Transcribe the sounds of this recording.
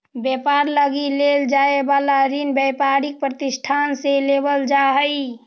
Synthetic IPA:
bepaɾləɡileld͡ʒaebalaɾinbɛpaɾik̚pɾət̪isʈʰanselebəld͡ʒaɦəi

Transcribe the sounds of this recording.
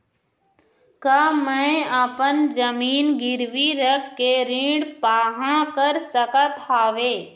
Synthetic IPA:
kaːmɛ̃əpənd͡ʒəmiːnɡɪɾʋiɾəkʰkeɾĩːɽpaːɦãkəɾsəkət̪ɦaːʋeː

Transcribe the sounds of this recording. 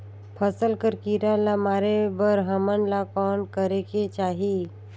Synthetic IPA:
pʰəsəlkəɾkiɾalamaːɾebəɾɦəmənlakɔːnkəɾeket͡ʃaːɦi

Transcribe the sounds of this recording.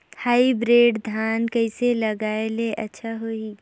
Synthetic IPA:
haːibɾeːɖd̪ʱaːnkɐɪselɐɡaːeleʔɐtːʃʰaɦoi

